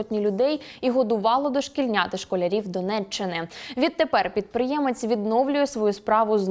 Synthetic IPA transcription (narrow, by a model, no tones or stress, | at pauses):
ɔtʲnʲilʲʊd̪ɛjiɦɔd̪ʊʋɑlˠɔd̪ɔʃkilʲnʲat̪ɪʃkɔlʲɐɾʲiwd̪ɔnɛt͡ʃːɪnɪʋʲid̪̚t̪ːepɛrpʲid̪̚pɾɪjɛmet͡sʲʋʲid̪nɔwlʲʊjɛsʋɔjuspɾɑʋʊz